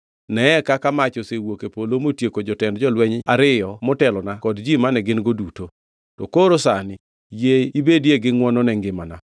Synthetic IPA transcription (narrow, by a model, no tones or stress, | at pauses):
nɛɛkakamat͡ʃɔsewokepolomotjekod͡ʒɔtɛndd͡ʒɔlwɛɲaɾɪjɔmɔtɛlɔnakɔdd͡ʒimanɛɡɪnɡoduto | tɔkoɾosanɪ | jeibedjeɡɪŋwɔnɔnɛŋɡɪmana